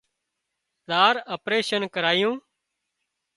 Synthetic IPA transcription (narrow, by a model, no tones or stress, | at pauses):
ɗ̪aːɾəpɾeːʃənkəɾaːjũː